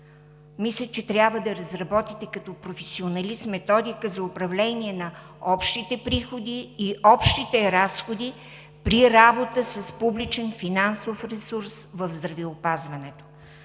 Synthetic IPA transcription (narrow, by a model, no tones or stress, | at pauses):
mislʲət͡ʃɛt̪ɾʲabvəd̪ɐɾɐzɾɐbɔt̪it̪ɛkɐt̪ɔpɾofɛsionɐlismɛt̪ɔd̪ikəzɐʊpɾɐvlɛniɛnɐ | ɔpʃt̪it̪ɛpɾixod̪iːʔɔpʃt̪it̪ɛɾasxod̪i | pɾiɾabot̪əsɐspublit͡ʃɛnfinansofɾɛsuɾsvəvzd̪ɾɐvɛopazvɐnɛt̪o̥